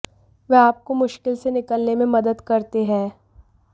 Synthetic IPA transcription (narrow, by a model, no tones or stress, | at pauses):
ʋeaːp̚komʊʃkɪlsenɪkəlnemẽmɐd̪əd̪kɐɾt̪eɦɛ̃ː